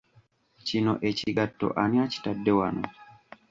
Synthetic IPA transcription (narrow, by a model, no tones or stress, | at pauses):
t͡ʃinɔ̰ʔet͡ʃiɡatːɔ̰ʔaniat͡ʃi̥tadːɛwanɔ